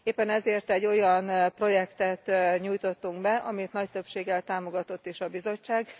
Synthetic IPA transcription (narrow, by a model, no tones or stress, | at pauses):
eːpːɛnɛzeːrt̪ɛɟːo̞jɒnpro̞jɛkt̪ɛt̪ɲuːjt̪o̞t̪ːuŋɡbɛʔɒmit̪nɒc̚t̪ø̞pʃeːɡːɛlt̪aːmo̞ɡɒt̪o̞t̪ːiʃɒbizo̞t͡ʃːaːɡ